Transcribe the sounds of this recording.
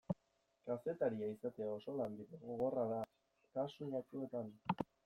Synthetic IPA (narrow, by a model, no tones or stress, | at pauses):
kase̞t̪aɾiaisat̪e̞ao̞so̞land̪iðeɣoɣo̞raða | k̪asuʎat͡ʃue̞t̪an